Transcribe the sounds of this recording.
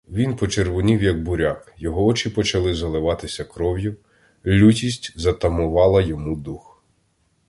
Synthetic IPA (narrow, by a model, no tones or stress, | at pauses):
ʋʲinpɔt͡ʃerʋʊnʲiwjɐɡ̚bʊɾʲakjɔɦɔɔt͡ʃipɔt͡ʃɐlˠɪzɐlˠɪʋɑt̪ɪsʲɐkɾɔwjʊ | lʲutʲisʲtʲzɐt̪ɐmʊʋɑlˠɐjɔmud̪ux